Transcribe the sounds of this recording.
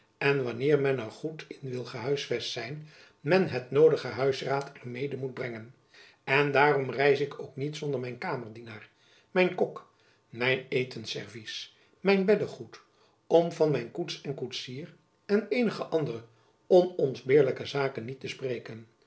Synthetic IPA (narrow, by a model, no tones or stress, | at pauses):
ɛnʋɑnɪːɹmɛnəɹχutʰɪnʋɪlˠχəɦœɥsfɛstsɛjn | mɛnɦətnowdəχəɦœɥsraːtʰɛɹmejdəmud̚brɛŋən | ɛndaːrɔmrɛjsɪkowknitsɔndəɹmɛjnkaːməɹdinaːɹ | mɛjnkɔk | mɛjnejtʰənsɛ̰ɹvis | mɛjnbɛdəχut | ɔmvɑnmɛjnkutsɛnkutsiːr | ɛnejnəχəʔɑndərə | ɔnɔnzbɪːɹləkəzaːkənːitəsprejkən